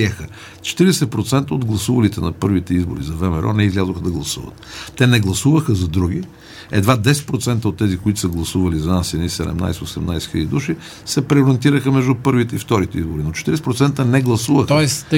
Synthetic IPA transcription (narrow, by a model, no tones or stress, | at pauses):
iɛxə | t͡ʃɛ̥t̪iɾɛsɛt̪̚pɾot̪sɛnt̪əod̪ɡlˠɐsuvɐlit̪ɛnɐpɤɾvit̪ɛizbo̰ɾizɐvɛmɛɾʔɔ̰nɛizlʲazoxəd̪ɐɡlˠɐsuvə̰t̪ːɛnɛɡlˠɐsuvəxəzɐd̪ɾuɡ̟i | ɛ̰d̪vad̪ɛsɛ̥t̪̚pɾot̪sɛnt̪əot̪ːɛzikoit̪ʊsəɡlˠɐsuvɐlizɐnasɛnisɛd̪ɛ̰mna̰jsosɛmnajsxiəd̪id̪uʃi | sɛpɾɛoɾɛnt̪iɾəxəmɛʒd̪upɤɾvit̪ɛift̪ɔɾit̪ɛizboɾinot͡ʃɛ̥t̪iɾɛsɛpɾot̪sɛnt̪ənɛɡlˠɐsuvəxɛs